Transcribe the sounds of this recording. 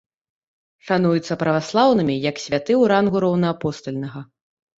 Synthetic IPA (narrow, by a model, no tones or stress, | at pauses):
ʂanujut̪sːɐpɾɐvaslˠawnɨmʲijɐksʲvʲat̪ɨwɾanɣuɾɔwnɐapɔst̪ɐlʲnɐɣɐ